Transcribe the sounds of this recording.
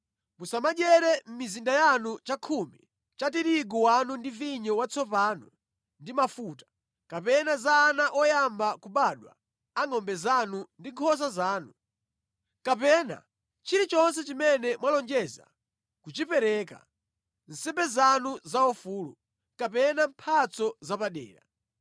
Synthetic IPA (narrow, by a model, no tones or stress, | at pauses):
musamaʄɛɾɛm̩mizindajanut͡ʃakʰumḭ | t͡ʃatiɾiɡɔwanundiviɲɔwat͡sʰɔpaːnɔ | ndimafutḁ | kapɛnazaːnaʔɔjambakuɓaɗwa̰ | aŋɔmbɛzanundiŋkʰɔs̬azaːnu | kapɛna̰ | t͡ʃiɾit͡ʃɔnsɛt͡ʃimɛnɛmwalɔŋd͡ʒɛza̰ | kut͡ʃipɛɾɛka̰ | n̩sɛmbɛzanuzaɔfuːlu | kapɛnampʰat͡sɔzapaɗɛ̰ːɾa̰